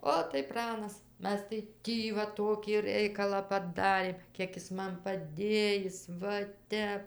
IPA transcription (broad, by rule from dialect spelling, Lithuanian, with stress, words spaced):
ˈoːt tɐɪ ˈprɑːnɐs ˈmʲɛs tɐɪ ˈtʲiː ʋɐ ˈtoːkʲiː ˈrʲɛɪkɐlˠɑː pɐˈdɑːrʲeːm ˈkʲiɛk jɪs ˈmɐn pɐˈdʲeːjɪs ˈʋɐ ˈtʲɛp